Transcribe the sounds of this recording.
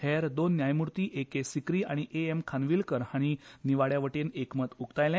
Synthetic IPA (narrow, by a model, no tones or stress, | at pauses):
heɾd̪onːjajmuɾt̪iːʔekesikɾiːaɽ̃iʔeemkʰanʋiːlkəɾhaɽ̃iniʋaɽjaʋəʈenekmət̪ukt̪ajlɛ̃